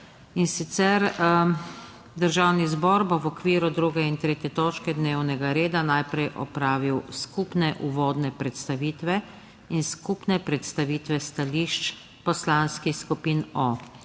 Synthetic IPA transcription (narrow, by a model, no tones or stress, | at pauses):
insit̪sɛɾ | d̪əɾʒawnizbɔɾbɔwɔkʋiːɾud̪ɾuɡɛint̪ɾeːt̪jɛt̪oːt͡ʃkɛd̪neːwnɛɡaɾeːd̪anajpɾɛjʔɔ̰pɾaːʋiwskupnɛʔuʋɔːd̪nɛpɾɛt̪st̪aʋiːt̪ʋɛ | inskupnɛpɾɛt̪st̪aʋiːt̪ʋɛst̪aliʃt͡ʃ | pɔslanskixskupiːnɔ